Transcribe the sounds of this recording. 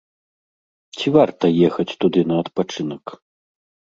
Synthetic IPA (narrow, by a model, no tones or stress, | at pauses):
t͡sʲivart̪ɐjɛxɐt͡sʲt̪ud̪ɨnɐɐt̪pat͡ʂɨnɐk